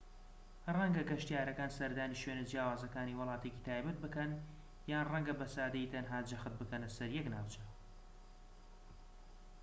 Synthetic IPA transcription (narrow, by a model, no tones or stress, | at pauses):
rɛŋɡɐɡɐʃt̪jaːɾɐkaːnsɐɾd̪aːniʃweːnɨd͡ʒjaːwaːzɐkaːniːwɨlˠɑːt̪ʰecit̪ʰaːjbɐt̪̚bɨkɐn | jaːnrɛŋɡɐbɐsaːd̪ɐiːt̪ʰɐnɦaːd͡ʒɐxɨt̪̚bɨkɐnlɐsɐɾjɛknaːwt͡ʃʰe